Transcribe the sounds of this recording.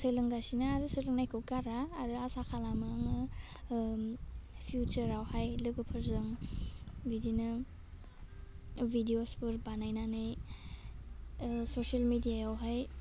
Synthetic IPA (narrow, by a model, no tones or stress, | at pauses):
selɯŋɡasinɯaɾɯselɯŋnajkʰɯwɡaɾaːɾɯasakʰalamɯŋɯ | pʰijut͡ʃəɾawhajlɯɡɯpʰɯɾzɯŋ | bidinɯ | bidiospɯɾbanajnanɯj | sosalmidijajawɦaj